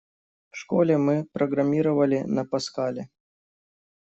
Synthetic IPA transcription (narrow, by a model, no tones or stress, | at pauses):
fʂkolʲɛmɨpɾəɡɾɐmʲiɾəvəlʲɪnɐpɐskalʲɪ